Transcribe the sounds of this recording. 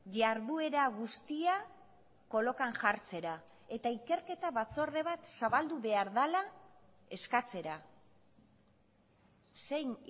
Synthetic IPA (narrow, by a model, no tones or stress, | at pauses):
ʝaɾðue̞ɾaɣust̪ia | ko̞lo̞kaŋʝaɾt͡se̞ɾa | e̞t̪aike̞ɾke̞t̪aβat͡so̞re̞β̞at̪saβald̪uβe̞aɾðala | e̞skat͡se̞ɾa | se̞jn